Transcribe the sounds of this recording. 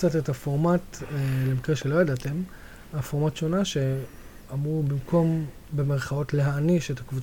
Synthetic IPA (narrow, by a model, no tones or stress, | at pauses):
t͡satetafo̞ʁmatlemikʁeʃe̞lo̞jadate̞m | afo̞ʁmatʃo̞naʃe̞ | amʁubimkʰo̞m | beme̞ʁχao̞tleɦaniʃetakvut͡sa